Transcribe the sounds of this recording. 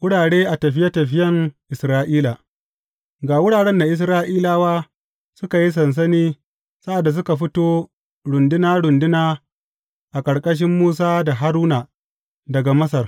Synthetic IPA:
wʊ˦ɽaː˨ɽeː˦ʔa˨tɐ˨ɸɪ˦jɐ˦tɐ˨ɸɪ˦jɐ˦ŋʔɪ˨sɾaː˦ʔiː˦la˨ | ɡaː˨wʊ˦ɽaː˨ɽɛ˦nda˨ʔɪ˨s̬ɾaː˦ʔiː˦laː˦waː˦ | sʊ˦ka˨ji˦s̬ɐ˨ns̬ɐ˦niː˦ | sa˦ʔa˨dːa˨s̬ʊ˦ka˨ɸɪ˦toː˦ | ɽʊ˨ndɪ˦naː˦ɽʊ˨ndɪ˦naː˦ | ʔa˨kʼɐ˨ɽkʼɐ˦ʃ̬ɪ˦mːuː˦s̬aː˦da˨ɦa˦ɾuː˦na˨ | dɐ˨ɡa˨mɐ˦s̬ɐ˨r

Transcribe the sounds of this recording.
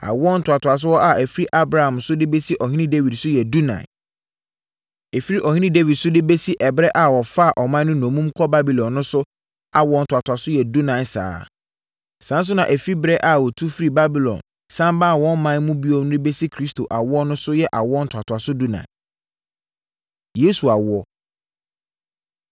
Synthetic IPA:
a̰˨wɔ˦n̩˨tʰa˨tʰʊ˨a˨s̬ʊ˦wɔ˦ʔa˦æ˨fi˦ɾi˦ʔa˦bɾa˨hã˨msʊ˦dɪ˦be˦si˦ʔɔ˨ɦĩ˦nĩ˦de˦wi˨dsʊ˦jɛ˨du˦nã̰˨ | e˨fi˦ɾi˦ʔɔ˨hĩ˦nĩ˦de˦vi˨dsʊ˦dɪ˦be˦si˦ʔɛ˨bɾɛ˦ʔa˨wɔ˨fa˦a˨ʔɔ˨mã˦n˦nʊ̃˦nõ˨mũ˦mkʰɔ˦ba˦bi˨lɔ̃˨nːʊ̃˦sʊ˦ | a˨wɔ̃˦n̩˨tʰʊ˨a˨tʰʊ˨a˨sʊ˦jɛ˨du˦nã˨˦sa̰ː˦ | sã˨˦n˦s̬ʊ˦nã˨ʔæ˨fi˦bɾɛ˦ʔa˨wɔ˨tʰu˦fi˦ɾi˨ba˦bi˨lɔ̰̃˨n | sã˦mba˦˨wɔ̃˦nmːã˦nmũ˦bi˦o˦mn˦ɪ̃˦be˦si˦kʰɾi˦stʰo˨ʔa˨wʊ˦ɔ˦nʊ̃˦sʊ˦jɛ˨ʔa˨wɔ˦n̩˦tʰa˨tʰʊ˨a˨sʊ˦du˦nã̰˨ | jeː˨˦su˨a˨wʊ˦ɔ˦

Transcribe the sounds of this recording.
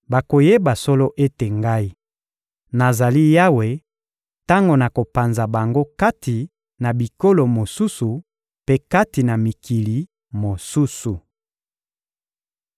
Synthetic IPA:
ba˨ko˨je˦ba˨so˦lo˦ʔe˦te˨ŋɡa˦i˦ | na˨za˨li˦ja˦we˨ | ta˦ŋɡo˨na˨ko˨pa˨nza˨ba˨ŋɡo˦ka˦tʰi˨ | na˨bi˨ko˦lo˨mo˨su˦su˨ | pe˦ka˦ti˨na˨mi˨kʰi˨li˨ | mo˨su˦su˨

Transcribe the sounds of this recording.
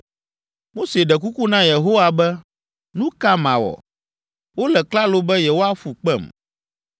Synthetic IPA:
mo˦se˨ɖɛ˨k̬u˦ku˦nã˦je˨ɦo˦wa˨bɛ˦ | nũ˦ka˦mã˨wɔ̰˨ | wo˦lɛ˨kla˦lo˦bɛ˦je˨wo˦a˦fu˨k͡pɛ̰˦˨m

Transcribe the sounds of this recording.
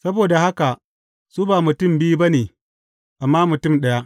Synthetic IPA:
sɐ˦boː˨da˨ha˦ka˨ | suː˦baː˨mʊ˨tʊ˦˨mbiː˦bɐ˦neː˨ | ʔa˨mːaː˦mʊ˨tʊ˦˨mɗɐ˦ja˦

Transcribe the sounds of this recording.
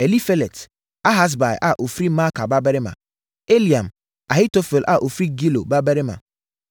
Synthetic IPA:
e˨li˦fe˦le˨t | a˦ɦa˦s̬ba˨j̰ʔa˦ʔo˨fɾi˦ma˦ka˨ba˦bɛ˦ɾɪ˦mã̰˨ | e˦li˨ã˨m | a˨hɪ˦to˦fe˨lʔa˦ʔo˨fɾi˦ɡi˦lo̰˨ba˦bɛ˦ɾɪ˦mã̰˨

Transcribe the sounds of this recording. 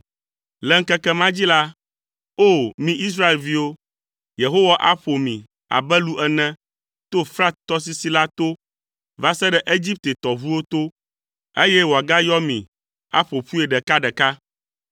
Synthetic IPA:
lɛ˦ŋ̩˦kɛ˦kɛ˦mã˦d͡ʑi˦la˦ | o˦˨mĩ˦ʔi˦s̬ɾa˦e˨lvi˦wo˦ | je˨ɦo˦wa˦˨ʔa˦ɸo˨mĩ˨ | a̰˨bɛ˦lu˦ʔɛ˨nɛ̃˦ | t̪o˦fɾa˦t̪ɔ˦s̬i˦si˦la˦t̪o˦ | va˦sɛ˦ɖɛ˦ʔe˦d͡ʑi˦p̚t̪e˨t̪ɔ˨βu˦wo˦t̪o˦ | e˦jɛ˦wo˨a˨ɡa˦jɔ˦mḭ̃˨ | a̰˦ɸo˨ɸu˦e˨ɖɛ˨ka˦ɖɛ˨ka˦

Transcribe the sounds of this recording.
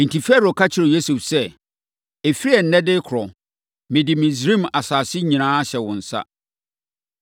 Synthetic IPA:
n̩˨tʰi˨fɛ˦ɾo˨kʰa˦t͡ɕʰɪ˦ɾo˨je˦su˨fsɛ˦ | e˨fi˦ɾi˦ɛ˨n̩˦nɛ̃˦dɪ˦kʰʊ˨ɾɔ˨ | mɪ̃˨dɪ˨mɪ̃˨zɾĩ˦ma˨saː˨sɪ˦ɲĩ˨nãː˦a˦ɕɛ˨wʊ̃˨n̩˨sa̰˦

